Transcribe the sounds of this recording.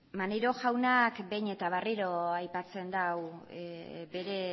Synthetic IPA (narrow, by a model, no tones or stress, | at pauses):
maneɾo̞ʝawnakbe̞jɲe̞t̪aβ̞ariɾo̞ajpat͡se̞nd̪aw | be̞ɾe̞